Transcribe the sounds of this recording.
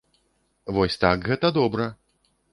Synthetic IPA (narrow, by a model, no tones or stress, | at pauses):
vɔsʲt̪akɣɛt̪ɐd̪ɔbɾɐ